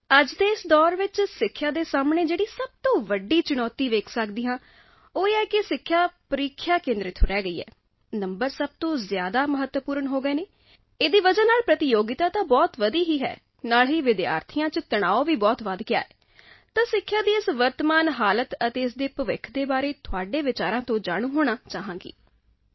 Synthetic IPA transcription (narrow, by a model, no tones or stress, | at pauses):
əd͡ʒd̪eːɪsd̪ɔːɾʋɪt͡ʃsɪkʰːjaːd̪eːsaːmɳeːd͡ʒeːɽiːsəb̚t̪õːʋəɖːiːt͡ʃʊɽ̃ɔːt̪iːʋeːkʰsəkd̪iːãː | oːɛːkɪsɪkʰːjaːpəɾiːkʰjaːkẽːnd̪ɾɪt̪ʰːoɾɛːɡəḭːɦɛ̰ː | nəmbəɾsəb̚t̪õːzjaːd̪aːməɦət̪ːwəpuːɾəɳɦoːɡəeːneː | eːd̪iːʋəd͡ʒənaːlpɾət̪ɪjoːɡɪt̪aːt̪ãːbɔːt̪ʋəd̪iːɦiːɦɛ̰ː | naːlɦiːʋɪd̪ɪja̰ːɾt̪ʰɪjãːt͡ʃət̪əɽ̃aːoʋiːbɔːt̪ʋad̪kɪja̰ːɛː | t̪ãːsɪkʰːjaːd̪iːɪsʋəɾt̪əmaːnɦaːlət̪ət̪eːɪsd̪eːpəʋɪ̰kʰd̪eːbaːɾeːt̪ʰʊaːɖeːʋɪt͡ʃaːɾãːt̪õːd͡ʒaːɽ̃ũːɦoːɽaːt͡ʃaːɦãːkḭː